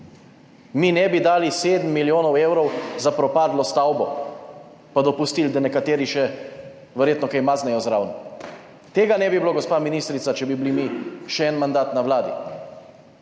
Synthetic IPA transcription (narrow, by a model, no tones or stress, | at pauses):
minɛbid̪aːliseːd̪əm̩ːiljoːnɔweːwɾɔwzapɾɔpaːd̪lɔst̪awbɔ | pad̪ɔpust̪ild̪anɛkat̪eːɾiʃɛ | ʋɛɾjeːt̪nɔkajmaːznɛjɔzɾaːwnɔ | t̪eːɡanɛbibiloɡɔspaːminiːst̪ɾit̪sat͡ʃɛbibilimiʃɛɛnmand̪aːt̪nawlaːd̪ḭ